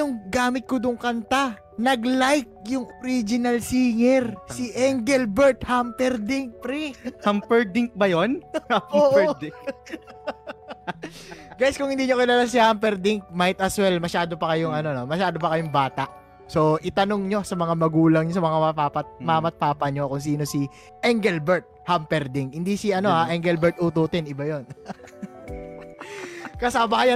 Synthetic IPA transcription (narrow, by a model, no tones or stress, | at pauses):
ʊŋɡaːmɪt̪̚kod̪ʊŋkɐnt̪a | nɐɡlajk̚jʊŋʔoɾid͡ʒɪnɐlsiːŋɛɾsɪʔɛŋɡɛlbɛɾt̪hampɛɾd̪ɪŋk̚pɾɛampɛɹd̪ɪŋk̚bɐjonʔoːʔ̪ | ɡajɪskʊŋhɪnd̪iːɲokɪnalɐs̬ɪaːhɐmpɛɾd̪ɪŋk̚majt̪̚ʔɐswɛlmɐʃaːd̪o̞pɐkɐjʊŋɐno̞no̞mɐʃaːd̪opɐkɐjoŋbaːt̪ɐʔ | so̞ʔɪt̪ɐno̞ŋɲo̞sɐmɐŋamɐɡuːlɐŋɲos̬ɐmɐŋamɐpaːpɐt̪̚mɐmɐt̪̚paːpɐɲo̞kʊŋs̬iːno̞si | ʔɛŋɡɛlbɛɹt̪̚hampɛɾd̪ɪŋkhɪnd̪isiʔɐno̞haʔɛŋɡɛlbɛɹt̪ʔut̪uːt̪ɛnɪbajo̞n | kɐsaːmɐkɐjo